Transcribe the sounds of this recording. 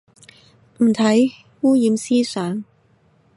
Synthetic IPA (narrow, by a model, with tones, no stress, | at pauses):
m̩˨˩t̪ʰɐ˨˥j | wuː˥jiː˨˥msiː˥sœː˨˥ŋ